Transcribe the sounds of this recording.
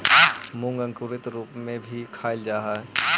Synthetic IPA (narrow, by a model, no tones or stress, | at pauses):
mʊ̃ŋɡə̃ŋkʊɾɪt̪ɾuːpmẽbʱikʰaːɪld͡ʒaːɦaɛ